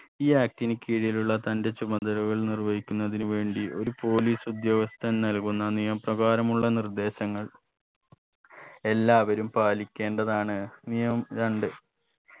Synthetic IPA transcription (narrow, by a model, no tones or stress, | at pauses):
iːaːk̚tinikʲːiːɻijiluɭːɐt̪ɐnde̞t͡ɕːubɐnd̪ɐɾɐɣɐɭnirʋɐjikʲːunːɐðinuʋe̞ːɳɖiʔo̞ɾupo̞ːliːsud̪jɐʋɐst̪ʰɐnnɐlkunːɐnijɐmprɐɣaːɾɐmuɭːɐnird̪e̞ːɕɐŋːɐɭ | e̞lːaːʋɐɾumpaːlikʲːe̞ːɳɖɐðaːɳɨnijɐmɾɐɳɖɨ